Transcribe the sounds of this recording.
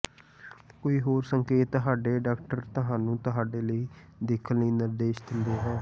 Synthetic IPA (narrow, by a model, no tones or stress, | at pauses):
koːiːɦoːɾsəŋkeːt̪ːəɦaːɖeːɖaːkʈəɾt̪əɦãːnũːt̪əɦaːɖeːləiːd̪ɪkʰənləiːnɪɾd̪eːʃd̪ɪnd̪eːɦɛ̃ː